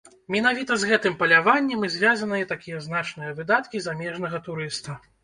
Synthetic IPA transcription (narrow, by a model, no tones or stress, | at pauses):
mʲinavʲit̪ɐzɣɛt̪ɨmpɐlʲavanʲːɛmɨzʲvʲazɐnɨjɛt̪akʲijɛznat͡ʂnɨjɐvɨd̪at̪kʲizamʲɛʐnɐɣɐt̪uɾɨst̪ɐ